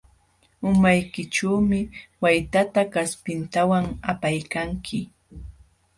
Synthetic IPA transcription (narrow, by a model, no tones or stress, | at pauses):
ʊmajkɪʈ͡ʂuːmɪwajt̪at̪akaspɪnt̪awaŋapajkaŋkʰɪ